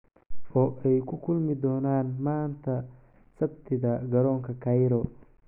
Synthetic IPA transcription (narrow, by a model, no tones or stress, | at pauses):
ɔːʔɛjkʰʊkʰʊlmɪd̪ɔːnaːnmaːnt̪ʰɐ | sɐbt̪ʰɪðɐɡɐɾɔːŋkʰɐkʰɐjɾɔ